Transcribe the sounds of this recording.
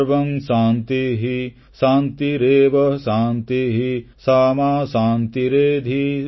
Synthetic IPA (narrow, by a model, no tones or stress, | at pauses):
ʋɐmʃaːnt̪iɦi | saːnt̪iɾeːʋɐʃaːnt̪iɦi | saːmaːsaːnt̪iɾeːd̪ʱi